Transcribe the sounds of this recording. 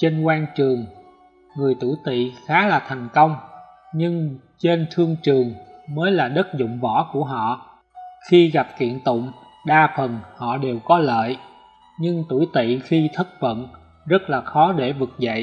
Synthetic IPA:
t͡ɕe˧nkwaː˧nt͡ɕɨ˨˩əŋ | ŋɨ˨˩əjt̪u˧˩jt̪ḭ˧˨xaː˨˦laː˨˩t̪ʰɛ˨˩jŋ̟kə˧wŋ͡m | ɲɨ˧ŋ | t͡ɕe˧nt̪ʰɨ˧əŋt͡ɕɨ˨˩əŋməː˨˦jlaː˨˩ɗə˦˥t̚zʊ̰˧˨ŋ͡mvɔ˧˩˥ku˧˩əɦɔ̰˧˨ | xi˧ɣa˨˩p̚kḭ˧˨ənt̪ʊ̰˧˨ŋ͡m | ɗaː˧fə˨˩nhɔ̰˧˨ɗe˨˩wkɔ˨˦lə̰ː˧˨j | ɲɨ˧ŋt̪u˧˩jt̪ḭ˧˨xi˧t̪ʰə˦˥t̚və̰˧˨n | zə˦˥t̚laː˨˩xɔ˨˦ɗe˧˩vɨ˨˩k̚zə̰˧˨jʔ

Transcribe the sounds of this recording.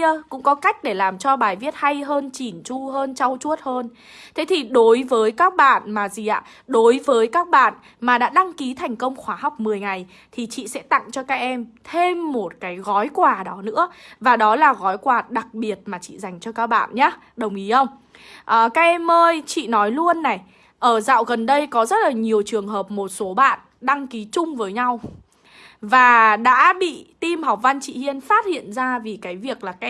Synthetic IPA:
əkʊ̰˧˥ŋ͡mkɔ˨˦ka˦˥jk̟̚ɗe˧˩laː˨˩mt͡ɕɔ˧ɓaː˨˩jvi˦˥ət̚ha˧jɦəː˧nt͡ɕi˧˩nt͡ɕu˧ɦəː˧nt͡ɕa˧wt͡ɕu˦˥ət̚həː˧n | t̪ʰe˨˦t̪ʰi˨˩ɗo˨˦jvəː˨˦jkaː˦˥k̚ɓa̰ː˧˨nmaː˨˩zi˨˩ʔa̰ː˧˨ | ɗo˨˦jvəː˨˦jkaː˦˥k̚ɓa̰ː˧˨n | maː˨˩ɗa̰ː˧˥ɗa˧ŋki˨˦t̪ʰa˨˩jŋ̟kə˧wŋ͡mxwaː˨˧˦ɦa˨˩wk͡p̚mɨ˨˩əjŋa˨˩j | t̪ʰi˨˩t͡ɕḭ˧˨sɛ̰˧˥t̪a̰˧˨ŋt͡ɕɔ˧kaː˦˥k̚ʔɛ˧mt̪ʰe˧mːo˨˩t̚kaː˨˦jɣɔ˨˦jkwaː˨˩ɗɔ˨˦nɨ̰˧˥əvaː˨˩ɗɔ˨˦laː˨˩ɣɔ˨˦jkwaː˨˩ɗa˨˩k̚ɓi˨˩ət̚maː˨˩t͡ɕḭ˧˨za˨˩jŋ̟t͡ɕɔ˧kaː˦˥k̚ɓa̰ː˧˨nɲaː˨˦ | ɗə˨˩wŋ͡mʔi˨˦xə˧wŋ͡m | ʔəː˨˩kaː˦˥k̚ɛ˧mːəː˧jt͡ɕḭ˧˨nɔ˨˦jlu˧ənːa˨˩j | ʔəː˧˩za̰ː˧˨wɣə˨˩nɗə˧jkɔ˨˦zə˦˥t̚laː˨˩ɲi˨˩əwt͡ɕɨ˨˩əŋɦəː˨˩p̚mo˨˩t̚so˨˦ɓa̰ː˧˨n | ɗa˧ŋki˨˦t͡ɕʊ˧ŋ͡mvəː˨˦jɲa˧w | vaː˨˩ɗa̰ː˧˥ɓḭ˧˨t̪i˧mha˨˩wk͡p̚va˧nt͡ɕḭ˧˨hi˧ənfaː˦˥t̚hḭ˧˨ənzaː˧vi˨˩kaː˨˦jvi˨˩ək̚laː˨˩kaː˦

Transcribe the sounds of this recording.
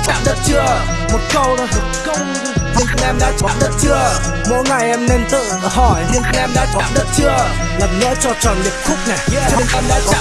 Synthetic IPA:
ɗa̰˧˥ɗə˦˥t̚t͡ɕɨ˧ə | mo˨˩t̚kə˧wnɔ˨˦˨kə˧wt̪ʰi˨˩ənt̪ŋʔɛ˧mɗa̰ː˧˥kɔ˨˧˥ɗə˦˥t̚t͡ɕɨ˧ə | mo̰˧˥jŋa˨˩jʔɛ˧mne˧nt̪ɨ̰˧˨˧hɔ˧˩jʰi˨˩ənt̪nʔɛ˧mɗa̰ː˧˥kɔ˧˦˥ɗə˦˥t̚t͡ɕɨ˧ə | lə˨˩mɲə̰˧˥t͡ɕɔ˧t͡ɕɔ˨˩nli˨˩ət̚xʊ˦˥k͡p̚na˨˩jʰi˧ənʔɛ˧mɗa̰ː˧˥kɔ˧˦

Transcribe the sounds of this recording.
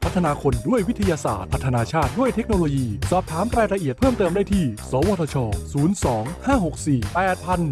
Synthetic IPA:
pʰa˦˥t̪ʰːnaː˧kʰo˧ndu˥˩əjwi˦˥t̪ʰa˧jaː˧sa̰ː˨˩t̪̚pʰa˦˥t̪ʰːa˧naː˧t͡ɕʰaː˥˩t̪̚du˥˩əjt̪ʰe˦˥k̚noː˧loː˧jiː˧sɔː˨˩p̚t̪ʰaː˩˦mɾaː˧jɾa˧ʔi˨˩ət̪̚pʰɤː˥˩mt̪ɤː˧mdaː˥˩jt̪ʰiː˥˩sɔː˩˦wɔː˧t̪ʰːt͡ɕʰɔː˧suː˩˦nsɔː˩˦ŋhaː˥˩ho˨˩k̚siː˨˩pɛː˨˩t̪̚pʰa˧n

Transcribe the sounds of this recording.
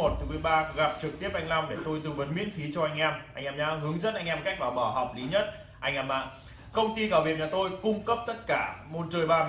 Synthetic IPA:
o˨˩t̚t̪ʰɨ˨˦mɨ˨˩əjɓaː˧ɣa˨˩p̚t͡ɕɨ˨˩k̚t̪i˦˥əp̚ʔa˧jŋ̟la˧wŋ͡mɗe˧˩t̪o˧jt̪ɨ˧və˨˦nmḭ˧˥ənfi˨˦t͡ɕɔ˧ʔa˧jŋ̟ʔɛ˧mʔa˧jŋ̟ʔɛ˧mɲaː˨˧˦ɦɨ˨˦əŋzə˦˥n̚ʔa˧jŋ̟ʔɛ˧mka˦˥k̟̚vaː˨˩wɓɔː˧˩ɦa˨˩wk͡p̚li˨˦ɲə˦˥t̚ | ʔa˧jŋ̟ʔɛː˧mʔa̰ː˧˨ | kə˧wŋ͡mt̪i˧kaː˧˩wi˨˩ət̚ɲaː˨˩t̪o˧jkʊ˧ŋ͡mkə˦˥p̚t̪ə˦˥t̚kaː˧˩mo˧nt͡ɕəː˧jɓaː˧

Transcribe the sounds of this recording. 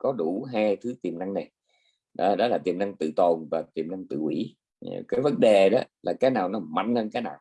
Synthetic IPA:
kɔ˨˦ɗu˧˩ɦaː˧jt̪ʰɨ˨˦t̪i˨˩əmna˧ŋna˨˩j | ɗɔ̰˨˦˧ɗɔ˨˦laː˨˩t̪i˨˩əmna˧ŋt̪ɨ̰˧˨t̪o˨˩nvaː˨˩t̪i˨˩əmna˧ŋt̪ɨ̰˧˨ʔwḭ˧˩˦ | kaː˨˦jvə˨˦nɗe˨˩ɗɔ˨˦laː˨˩kaː˨˦jnaː˨˩wnɔ˨˦ma˧˨jŋnhəː˧nkaː˨˦jnaː˨˩w

